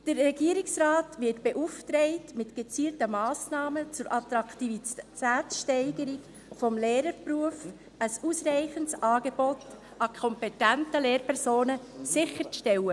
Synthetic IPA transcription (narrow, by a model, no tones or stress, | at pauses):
d̥əɾːɛɡiəɾɪksrɑːtʋɪtb̥eʔuftɾɛɪtmɪtɡ̥et͡siːltəmɑːsnɑːmət͡sʊɾʔɑt̪ɾɑktiitæːt͡sʃtɛɪɡəɾik | fɔmleːɾəɾpɾuəf | əsusɾɛɪχəntsʔɑːɡeb̥ɔt | ʔɑkʰɔmpɛtæntəlɛːɾpʰɛɾsoːnəsɪχəɾʃtɛlə